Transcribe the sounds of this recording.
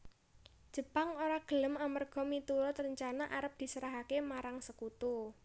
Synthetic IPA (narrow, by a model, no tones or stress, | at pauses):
d̥ʒ̥ə̤paŋoɾaɡ̥ə̤ləmamərɡ̥ɔ̤mit̪uɾɔt̪ɾəɲt͡ʃanaʔaɾəp̚d̪̥i̤səɾaɦakemaɾaŋsəkut̪u